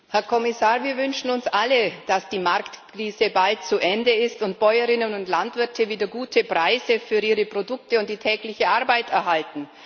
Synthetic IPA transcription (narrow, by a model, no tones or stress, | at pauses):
hɛɐkʰɔmɪsaːʁviːɐvʏnʃn̩ʊnsʔaləd̥asd̥iːmaʁktkʁ̥iːzəbalt̚t͡suʔɛndəɪstʊntb̥ɔʏəʁɪnənʊntlantv̥ɪɐtʰəviːdɐɡuːtʰəpʁ̥aɪzəfyːɐʔiːʁəpʁ̥odʊktəʊnt̚d̥iːtʰɛːklɪçəʔaʁbaɪtɛɐɦaltn̩